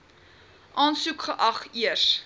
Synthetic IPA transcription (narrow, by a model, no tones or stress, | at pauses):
ʔɑːnsukχəʔɐχiəs